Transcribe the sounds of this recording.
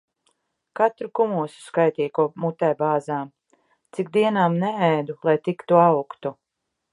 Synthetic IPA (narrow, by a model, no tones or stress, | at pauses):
kat̪ɾukumuɔsu̥skajt̪iːkuɔmut̪ɛːbaːzaːm | t̪sikd̪iɛnaːmnɛɛjd̪ulˠajt̪ikt̪uawkt̪u